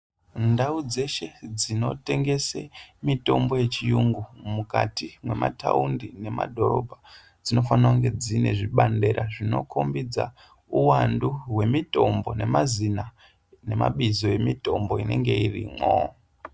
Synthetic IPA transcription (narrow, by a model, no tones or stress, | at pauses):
ndaud͡ze̞ʃe̞d͡zino̞te̞ŋɡe̞sḛmito̞mbo̞je̞t͡ʃijuŋɡumukatimwe̞ma̰tʰa̰undine̞ma̰dʱo̞ɾo̞̰bʱa | d͡zino̞fanawaŋɡe̞d͡zine̞ʐiɓande̞ɾʔaʐino̰kʰo̞mbid͡za̰ | uwanduwe̞mito̞mbo̞ne̞mazina | nema̰ɓizoje̞mito̞mbo̞ine̞ŋɡe̞irḭmo̰